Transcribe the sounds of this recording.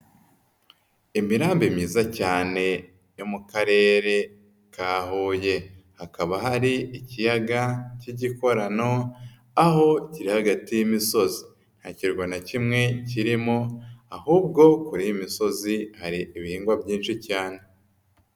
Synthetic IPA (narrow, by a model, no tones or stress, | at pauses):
imiɾaːmbimɲiːzacaːne̞ | jomukaɾe̞ːɾe̞ | kaːɦuːje̞hakaβaɦaɾiʔicijaɡaciɟiko̞ɾano̞ | aho̞ciɾihaɡatijimiso̞zi | n̥haciɾɡwanacimŋe̞ciɾimo̞ahuːbɡo̞kuɾijimiso̞zihaɾiiβihiːŋɡwabɟiːnʃicaːne̞